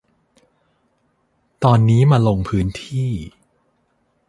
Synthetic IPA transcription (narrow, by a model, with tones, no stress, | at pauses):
t̪ɔː˧nːiː˦˥maː˧lo˧ŋpʰɯː˦˥nt̪ʰiː˥˩